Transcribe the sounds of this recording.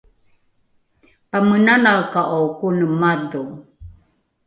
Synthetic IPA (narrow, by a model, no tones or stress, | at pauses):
pamənanawkaʔowkunəmadu